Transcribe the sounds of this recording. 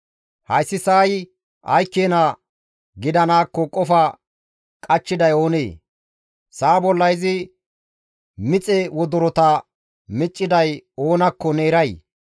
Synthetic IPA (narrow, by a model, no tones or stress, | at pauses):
hɐjsːɪsaːj | ʔɐ̰jkːeːnɐ | ɡɪd̪ɐnaːkːɔkʼɔfɐ | kʼɐt͡ʃːɪd̪ɐjo̞ːnḛː | saːbɔlːɐjzɪ | mɪt͡sʼɛwɔd̪ɔɾɔt̪ɐ | mɪt͡ʃʼːɪd̪ɐjo̞ːnɐkːɔne̞ːɾɐj